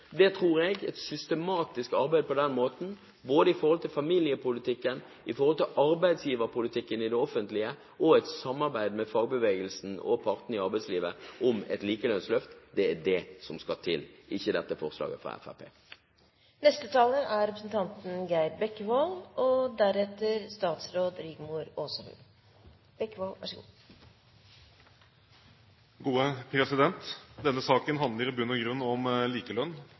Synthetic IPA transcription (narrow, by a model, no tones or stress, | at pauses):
d̪ɛt̪ʰʁuːɾɛɡɛ̰t̪sʏst̪əmɑːt̪ɪskɑʁbæɪd̪əpɔd̪ɛnmoːt̪n̩ | boːd̪əɪfɔʁhɔlt̪ɪlfɑmilɪəpʰʊlɪt̪ɪkːən | ɪfɔɾʁhɔlt̪ɪlʔɑɾbæɪd̪sjiːʋəɾpʊlɪt̪ʰɪkːənɪd̪ɛɔfənt̪lɪə | ʔɔɛt̪sɑmːɑʁbæɪd̪mɛfɑːɡbəʋeːɡəlsn̩ɔ̰pʰɑʁt̪n̩ɪɑʁbæɪsliːʋəʔɔmɛ̰t̪liːkəlœnslœft̪d̪ɛæɖɛsɔmskɑt̪ʰɪlʔɪçːəd̪ɛt̪ːəfɔʁslɑ̰ːɡəfʁɑ̰ɛ̰fæ̰pʰḛː | nɛst̪ət̪ʰɑːləʔæɾɾɛpɾəsn̩t̪ʰɑnt̪n̩ɡæɪd̪bɛkːʋɑlɔd̪æɾɛt̪ːəɾst̪ɑːt̪sɾoːd̪ɾɪɡmʊɾoːsɔhʉ̰n | b̥ɛkːʋɑlʋæ̰ʂəɡṵː | ɡuːəpʰɾɛsɪd̪ɛnt̪d̪ɛnːəsɑːkənɦɑnd̪ləɾɪbʉnɔɡɾʉnːɔmliːkəlœnː